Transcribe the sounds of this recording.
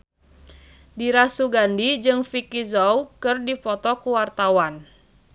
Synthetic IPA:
diɾasuɡandid͡ʒɨŋfikizɔwkɨrdipɔt̪ɔkuwart̪awan

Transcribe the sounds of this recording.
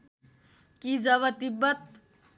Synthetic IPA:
kid͡ʒəβət̪ibət̪

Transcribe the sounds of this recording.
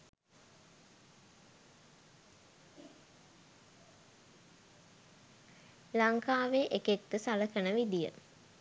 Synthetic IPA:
laŋkaːʋeʔekek̚t̪əsaləkənəʋid̪ijə̰

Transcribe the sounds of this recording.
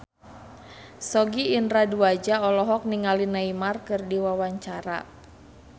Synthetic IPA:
sɔɡiːndɾaduad͡ʒaɔlɔɦɔk̚niŋalinaimarkɨrdiwawaɲt͡ʃaɾa̰

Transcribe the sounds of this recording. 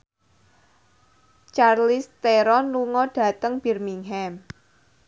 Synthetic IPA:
t͡ʃarlist̪eɾɔnluŋɔɖ̥ä̤t̪əŋb̥irmiŋɦɛm

